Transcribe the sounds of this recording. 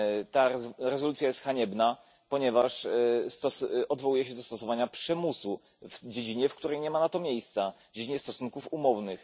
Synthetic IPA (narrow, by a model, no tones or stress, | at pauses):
t̪aɾɛzɔlut̪sʲjajɛst̪xaɲɛbna | pɔɲɛvaʂst̪ɔsʔɔd̪vɔwujɛɕɛd̪ɔst̪ɔsɔvaɲapʂɛmusu | vd͡ʑed͡ʑiɲɛfkt̪uɾɛjɲɛmanat̪ɔmʲjejst̪savd͡ʑed͡ʑiɲɛst̪ɔsunkufumɔvnɘx